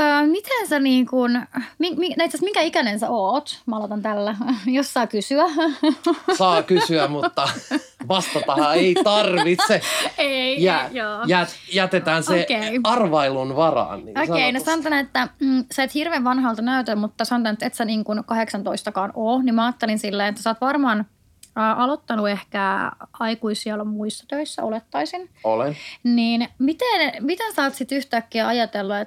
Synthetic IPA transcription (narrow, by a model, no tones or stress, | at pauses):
əːmit̪ʰænsæniːŋkunmiŋminet̪sæsmiŋkæikænensæoːt̪mæɑlot̪ɑnt̪ælːæjossɑːkysyæ | sɑːkysyæmut̪ːɑ | ʋɑst̪ɑt̪ɑhɑeit̪ɑrʋit̪seeijæːjoːjæt̪jæt̪et̪æːnsekeiɑrʋɑilunʋɑrɑ̰ːnḭːoskeinesɑnot̪ɑnet̪ːæsɑet̪hirʋeːʋʋɑnɦɑlt̪ɑnæyt̪æmut̪ːɑsɑnot̪ɑnet̪et̪sæniːŋkunkɑheksɑnt̪oist̪ɑkɑːnoːnimmæɑːt̪ːelinsilːeːnet̪ːæsɑːt̪ʋɑrmɑːnː | ʔɑlot̪ːɑnuehkæɑikuisiɑlmuisːɑt̪øisːæ̰ʔolet̪ːɑisinolenniːnmit̪enmit̪ensɑːt̪sit̪yht̪ækːiæɑjɑt̪elːɑet̪